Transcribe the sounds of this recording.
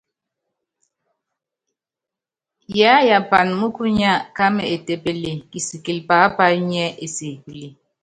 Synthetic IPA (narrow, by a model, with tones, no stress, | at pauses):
ja˦ja˨pa˨n˨mu˦ku˦ɲa˦˨ka˦mɛ˨e˨te˨pe˨le˨ki˨si˨ki˨lpa˨˦pa˦lɲɛ˦ʔe˨se˨ki˨le˨